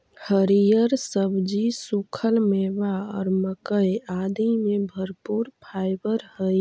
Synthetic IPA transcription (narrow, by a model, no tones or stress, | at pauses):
həɾijəɾsəbd͡ʒisukʰəlmebaɔ̰ːɾməkəjad̪imẽbʱəɾpuːɾpʰajbəɾɦəj